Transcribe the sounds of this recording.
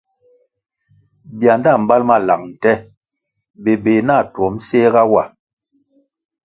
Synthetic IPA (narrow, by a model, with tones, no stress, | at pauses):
bja˨nda˦˨m̩˨ba˦lma˦˨la̰˨ŋ̚n̩˨tɛ˦ | be˨be˨na˦˨twɔ˨˦m̩˦seː˦ɣa˦wa˨